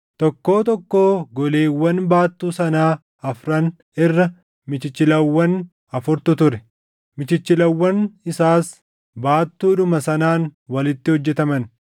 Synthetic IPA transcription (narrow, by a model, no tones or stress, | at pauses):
t̪ɔkːo̞ːt̪ɔkːo̞ːɡɔle̞ːwːɐnbaːt̪ːuːsɐnaː | ɐfɾɐn | ɪrːɐ | mɪt͡ʃɪt͡ʃːɪlɐwːɐn | ɐfʊɾt̪ʊt̪ʊɾɛ | mɪt͡ʃɪt͡ʃːɪlɐwːɐnɪsaːs | baːt̪ːuːᶑʊmɐsɐnaːnwɐlɪt̪ːɪhɔd͡ʒːɛt̪ɐmɐn